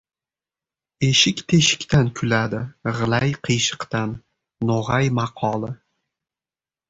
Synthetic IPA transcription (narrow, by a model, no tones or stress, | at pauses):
eʃɪkʲt̪ʰe̞ʃɪ̥kʲt̪ʰankʰʊlad̪ɪʁɨlˠajqʰɨjʃɨ̥qt̪anː | oʁajmɑqʰɒlˠɪ